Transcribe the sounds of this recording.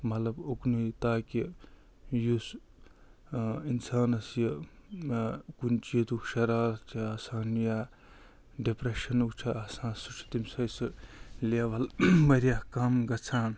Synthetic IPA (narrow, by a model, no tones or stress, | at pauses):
mɐt̪lɐboknut̪aːki | jus | insaːnɐsjɐ | kunt͡ʃijed̪ukʃɐɾaːɾt͡ʃʰiaːsaːnjaː | ɖepɾeʃɐnukt͡ʃʰɐaːsãːnsut͡ʃʰi̥t̪imsɐjsɨleʋɐlmɐɾjakamɡɐt͡sʰaːn